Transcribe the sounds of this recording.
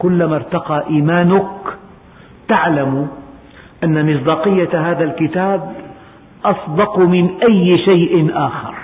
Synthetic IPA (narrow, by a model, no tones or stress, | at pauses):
kʊlːamaɾˤt̪ɑqɑːʔiːmaːnʊk | t̪aʕlam | ʔanːamɪsˤd̪ɑːqɪjːaɦaːðalkɪt̪aːb̚ | ʔɑsˤd̪ɑqmɪnʔajːʃajʔɪnʔaːxɑ̰ɾˤ